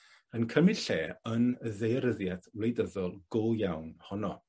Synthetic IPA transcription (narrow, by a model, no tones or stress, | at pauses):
ənkʰəmɪɬeːənəðejəɾəðjatʰwlˠejdəðɔlˠɡ̥ʊlˠjawnhɔnɔ